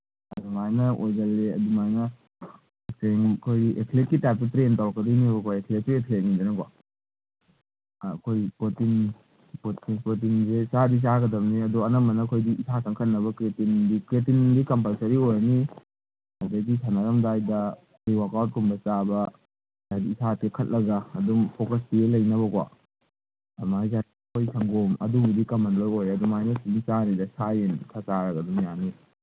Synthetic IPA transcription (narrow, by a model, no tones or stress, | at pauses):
ɐdumajnɐʔojzɐlːeɐ̰dumajnɐ | ekeŋkʰojekʰlek̚kːitajp̚tɐtɾentawkɐdinibɐkoekʰlek̚ːiekʰlek̚nind͡ʒanɐka̰ | kʰojpotin | potipot̬inzesadis̬aɡɐdɐmniɐdɔɐnɐmɐnɐkʰojdiʔsʰakʰaŋkʰɐnːɐβɐkɾetindikɾetindikɐmpalsɐɾiojni | ɐdɐɡisʰanɐɾɐmdajdɐ | iwakawt̚kumbɐt͡ʃabɐ | zadiisʰatekʰɐt̚lɐɡɐːdumpʰokɐs̬dielɐjnɐβɐkwa̰ | mazatikʰojsʰaŋɡomɐ̰duɡidikɐmɐnlojojɾɐdumajnosinit͡ʃanidɐsajentʰat͡ʃaɾɐɡɐdumjani